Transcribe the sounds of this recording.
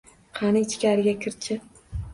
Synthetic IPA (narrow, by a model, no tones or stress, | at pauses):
qʰanɪɪt͡ʃkʲaɾɪɡʲakʲʰɪɾt͡ʃʰɪ